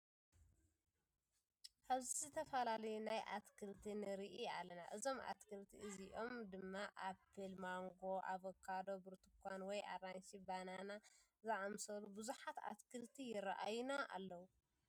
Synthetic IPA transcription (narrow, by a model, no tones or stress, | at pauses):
ʔaβzizɨt̪ʰɐfɐlalɐjunajʔa̰t̪kʰɨlt̪ʰinɨɾiʔialɐna̰ʔɨzo̞mʔa̰t̪kʰɨlt̪ʰiʔɨziʔo̞md̪ɨmːaʔapʰːɨlmaŋɡo̞ʔaβɐkʰːad̪o̞bɨɾt̪ɨkʰʷanwɔja̰ɾansibanana | zɨʕamsɐlubɨzuħat̪a̰t̪kʰɨlt̪ʰijɪɾaʔajunaʔa̰lːɐwu